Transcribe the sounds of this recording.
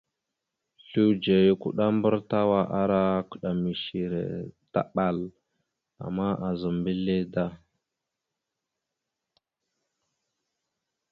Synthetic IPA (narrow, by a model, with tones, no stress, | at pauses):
ɬu˦wd͡ʒe˨ju˦kṵ˦ɗa˦mbə˦ɾta˦wa˦ʔa˦ɾa˦ku̥˨ɗa˨mi˨ʃi˨ɾḛ˨ta̰˦ɓa˦˨l | a̰˨mːa˦ʔa˨zə˨mbi˦le˦da˦